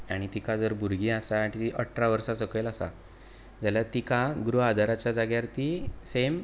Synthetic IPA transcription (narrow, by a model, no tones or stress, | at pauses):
aɽ̃it̪ikad͡zəɾbʱuɾɡiːasaʈit̪iʔəʈʰːɾaʋəɾsasəkelasa̰ | d͡zaljat̪ikaɡɾuad̪ʱaɾat͡ɕjad͡zaɡjaɾt̪isem